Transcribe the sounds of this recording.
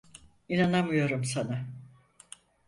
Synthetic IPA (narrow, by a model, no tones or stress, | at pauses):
inanamɯjo̞ɾumsana